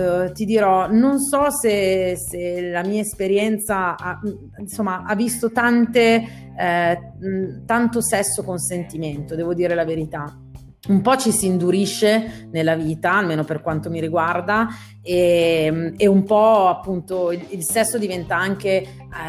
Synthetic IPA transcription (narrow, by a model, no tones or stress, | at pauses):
t̪id̪iɾɔnonsɔseselamiːaespeɾjɛnt̪saa | nsomːaʔavːist̪ot̪ant̪e | t̪ant̪osɛsːokonsent̪iment̪od̪ɛːvod̪iːɾelaveɾit̪a | umpɔt͡ʃisiːnd̪uɾiʃːenelːaviːt̪aːlmeːnoperkwant̪omiɾiɡward̪a | emeumpɔapːunt̪oililsɛsːod̪ivɛnt̪aaŋk̟e